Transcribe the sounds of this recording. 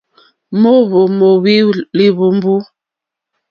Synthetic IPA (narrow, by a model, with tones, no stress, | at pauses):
mo˦βo˨mo˨wi˦li˨βu˨m˦bu˦